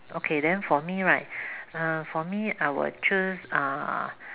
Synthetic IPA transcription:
ʔokʰedɛ̃nfɔmiɹaɪt̚afɔmiaɪwə̰t͡ʃusa̰

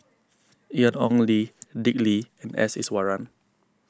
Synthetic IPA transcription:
ianɔ̃nlidikliɛ̃nɛ̰sḭswaɹãn

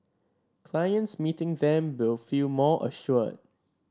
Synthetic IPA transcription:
kʰl̥ajə̃ntsmitɪ̃ŋdɛ̃mwɪlˠfilmɔʔə̰ʃɔd̚

